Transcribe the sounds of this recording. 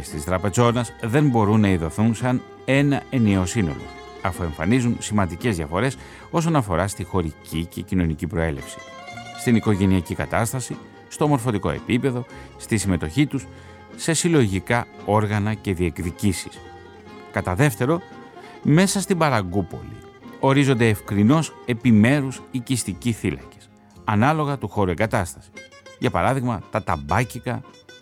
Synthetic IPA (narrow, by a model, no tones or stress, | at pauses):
est̪ist̪ɾɐpe̞zo̞nɐzðe̞mbo̞ɾunːɐiðo̞θunsɐn | e̞nɐe̞neo̞sino̞̰lo̰ | ɐfue̞ɱfɐnizunsimɐnd̪ice̞zðʝɐfo̞ɾe̞s | o̞so̞nɐfo̞ɾɐst̪ixo̞ɾicice̞cino̞nicipɾo̞e̞le̞̰fsi̥st̪iniko̞ʝe̞niɐcikɐt̪ɐst̪ɐsi | st̪o̞mo̞ɾfo̞t̪iko̞e̞̰pipe̞ðo̞st̪isime̞t̪o̞çit̪us | se̞silo̞ʝikɐo̞ɾɣɐnɐce̞ðie̞kðicisi̥s | kɐt̪ɐðe̞ft̪e̞ɾo̞ | me̞sɐst̪ibɐɾɐɡupo̞̰lḭ | o̞ɾizo̞nd̪e̞ːfkɾino̞se̞pime̞ɾusicist̪iciθilɐ̰ce̥s | ɐnɐlo̞ɣɐt̪uxo̞ɾue̞ŋɡɐt̪ɐst̪ɐ̥si̥ʝɐpɐ̰ɾɐðiɣmɐt̪ɐt̪ɐbɐcikɐ